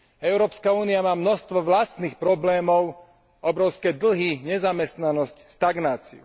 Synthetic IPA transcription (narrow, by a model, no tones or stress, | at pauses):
ɛʊɾɔːpskauːniamaːmnɔst̪ʋɔʋlast̪niːxpɾɔblɛːmɔʊ | ɔbɾɔʊskɛd̪l̩ɦiɲɛzamɛst̪nanɔscst̪aɡnaːt͡sḭṵ